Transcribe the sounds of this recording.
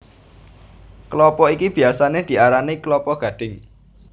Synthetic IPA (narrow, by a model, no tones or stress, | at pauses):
kəlɔpɔikib̥i̤asaned̪̥i̤aɾaniklɔpɔɡ̥ä̤ɖ̪̥ɪ̤ŋ